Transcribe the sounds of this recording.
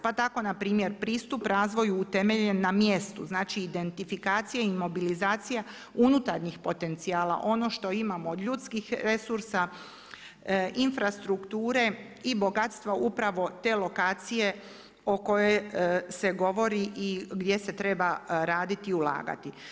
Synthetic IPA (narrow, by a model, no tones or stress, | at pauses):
pat̪ako̞napɾiːmje̞ɾpɾiːst̪upɾaːzʋo̞juːt̪e̞me̞ʎe̞nːamje̞st̪ṵznaːt͡ʃiːd̪e̞nt̪ifikaːt̪sijaimo̞bilizaːt̪sija | unut̪aɾɲixpo̞t̪e̞nt̪siaːlˠa̰ʔo̞no̞ʃt̪o̞imamoːd̪ʎut̪skixɾesuɾsa | infɾast̪ɾukt̪uːɾe̞ | ibo̞ɡat̪st̪ʋaʔupɾaʋo̞t̪e̞ːlo̞kaːt̪sije̞ | o̞ko̞jese̞ɡo̞ʋo̞ɾiʔiɡd̪je̞se̞t̪ɾe̞baɾaːd̪it̪iulˠa̰ːɡa̰t̪i